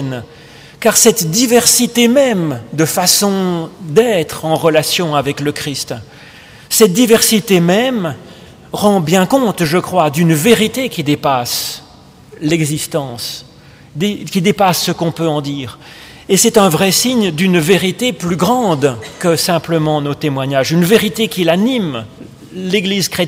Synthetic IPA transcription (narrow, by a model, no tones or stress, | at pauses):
n | kaʁsɛt̪d̪ivɛʁsit̪emɛmd̪əfasɔ̃d̪ɛt̪χɑ̃ʁəlasjɔ̃avɛkləkχist̪ | sɛt̪̚d̪ivɛʁsit̪emɛm | ʁɑ̃bjɛ̃kɔ̃t̪ʒəkχwad̪ynveʁit̪ekʲid̪epas | lɛɡzist̪ɑ̃s | d̪ekʲid̪epasːəkɔ̃pøɑ̃d̪iːʁ | esɛt̪ɛ̃vʁɛsiɲd̪ynveʁit̪eplyɡʁɑ̃d̪kəsɛ̃pləmɑ̃not̪emwaɲaʒynveʁit̪ekʲilanim | leɡlizkχe